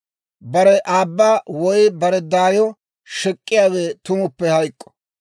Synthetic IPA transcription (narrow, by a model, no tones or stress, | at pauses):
bɐɾɛʔaːbːaːwɔjbɐɾɛd̪aːjɔ | ʃɛkʼːɪjaːweːt̪ʊmʊpːɛhɐjkʼːɔ̥